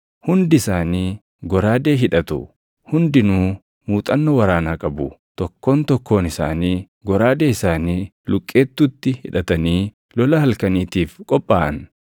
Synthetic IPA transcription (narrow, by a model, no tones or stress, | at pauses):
hʊnd̪ɪɪsaːniː | ɡɔɾaːd̪e̞ːɦɪᶑɐt̪ʊ̰ | hʊnd̪ɪnuː | muːt̪ʼɐnːɔwɐɾaːnaːkʼɐbʊt̪ɔkːo̞ːnt̪ɔkːo̞ːnɪsa̰ːniː | ɡɔɾaːd̪e̞ːɪsaːniː | lʊkʼːe̞ːt̪ːʊt̪ːɪhɪᶑɐt̪ɐniː | lɔlɐhɐlkɐniːt̪iːfkʼɔpʼːaːʔɐn